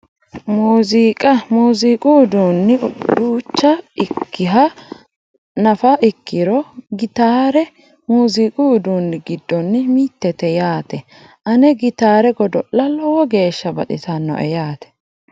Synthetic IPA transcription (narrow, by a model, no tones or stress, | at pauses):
muːzikʼɐmuːzikʼuʊd̪uːnːɪɾuːt͡ʃːɐɪkːɪɦɐ | nɐfɐʔɪkːɪɾɔɡɪt̪aːɾɛ | muːzikʼuːd̪uːnːɪɡɪd̪ːɔnːɪmiːt̪ːɛt̪ɛjaːt̪ɛ | ʔɐnɛɡɪt̪aːɾɛɡɔd̪ɔlːɐlɔwɔɡe̞ːʃːɐbɐ̰ɗɪt̪ɐnːɔ̰ʔɛjaːt̪ɛ̥